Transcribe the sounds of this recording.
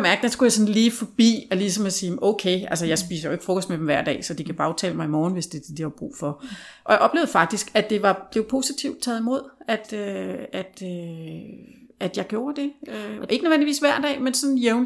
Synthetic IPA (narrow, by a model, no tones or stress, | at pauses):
mæɐɡ̥d̥ænsɡ̥ujɑ̈sɒ̽nliːfɒ̽b̥ḭːɒ̽lisɒ̽mɒsiːɔʊkʰeɪælsəjɑ̈ɪsbpḭːs̬ɐjoʊe̝ɡ̥fʁɔ̽kʰɒ̽sd̥med̥emʋæɐ̰d̥ɛ̰ːsɒ̽d̥ikʰæb̥ɑ̈ʊt͡sʰɛ̰ːləmɑ̈ɪimɒːn̩ʋe̝sd̥e̝d̥id̥ihɑb̥ʁṵːfɒ̽ʔɒjɑʔɒ̽b̥le̝ːʊð̩ˠfɑ̈ɡ̥̚d̥isɡ̥æd̥e̝ʋɑ̈b̥le̝ʊpʰo̝sit͡sʰiʊd̥̚t͡sʰɛ̰ːð̩ˠimo̝ð̞̰ˠæd̥øæd̥ø | ʔæd̥jɑ̈ɪɡ̥jo̝ːɐd̥e̝øe̝ɡənøʋen̰liʋḭːsʋæɐ̰d̥ɛ̰ːmensɒ̽njeʊn